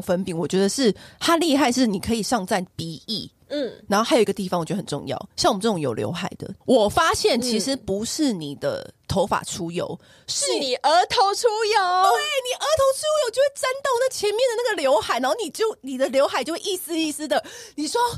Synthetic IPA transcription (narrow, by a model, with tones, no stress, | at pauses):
ŋfə˧˥npi˨˥˦ŋwɔ˨˩t͡ɕɥɛ˧˥d̪ə˧ʂɻ̩˥˩ha˥li˥˧xa˥˧ɪʂɻ̩˥˩ni˨˩kʰɤ˧˥i˨˩ʂɑ˥˧ŋt͡sa˥˩npi˧˥ḭ˥˩˥ | na˧˥nxo˥xa˧˥jo˨i˥ɡə˧i˥˩fɑ˨ŋwɔ˨˩t͡ɕɛ˧˦˥ə˧˨˩ʈ͡ʂʊ̰˥˧ŋjɑ̰˥˩ʊɕɑ˥˩ŋwm˦ʈ͡ʂə˥˩ʈ͡ʂʊ˨ŋjo˨˩ʊljo̰˧˥ʊxa˨˩ɪd̪ə̰˩˦wɔ˨˩fa˥ɕjɛ˥˩nt͡ɕʰi˧˥ʂɻ̩˧˦pu˧˥ʂɻ̩˥˩ni˨˩d̪ə̰˦t̪ʰo˧˦˥ʊfa̰˨˩ʈ͡ʂʰu˥jo̰˧˦ʊ | ʂɻ̩˥ni˨˩ʔə˧˥t̪ʰo˧˥ʊʈ͡ʂʰu˥jo˨˦ʊe˥˩ni˨˩ʔə˧˥t̪ʰo˧˥ʊʈ͡ʂʰu˥jo˨˧ʊt͡ɕo˥˧we˥˩t͡sa˥nt̪o˥˩ŋnə˨˩t͡ɕʰjɛ˧˥nmjɛ˥˨ndə˩na˥˩ɡə˩ljo˧˥ʊxa˨˩ɪna˧˦nxo˥˩ni˨˩t͡ɕjo˥˩ʊni˨˩d̪ə˦ljo˧˥ʊxa˨˩ɪt͡ɕjo˥˧ʊwe˥˧i˥˩sɹ̩˥i˥˩sɹ̩˥d̪ə˨ni˨˩ʂwɔ˥